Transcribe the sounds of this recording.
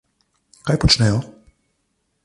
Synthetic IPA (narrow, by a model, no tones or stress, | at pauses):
kajpɔt͡ʂɲɛjɔ